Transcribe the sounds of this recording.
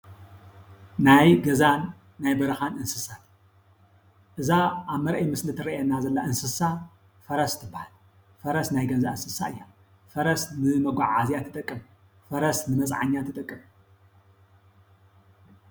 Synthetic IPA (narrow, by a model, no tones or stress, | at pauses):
najɡɐzanː | ajbɐɾɐxanɨnsɨsat̪ | ʔɨzaʔaβmɐɾʔɐjmɨslɨt̪ʰɨɾɐʔenːazɐlːaʔɨnsɨsa | fɐɾɐst̪ʰɨbːahal | fɐɾɐsnajɡɐza̰ɨnsɨsa̰ɨjːa | fɐɾɐsnɨmɐɡʷaʕazjat̪ʰːɨt̪ʼɐkʼːɨm | fɐɾɐsnɨmɐt͡sʼʕa̰ɲːat̪ʰɨt̪ʼɐkʼːɨm